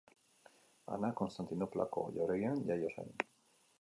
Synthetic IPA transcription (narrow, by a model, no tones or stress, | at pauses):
a̰nakonst̪ant̪inopla̰ko̰joɾejenjajosḛn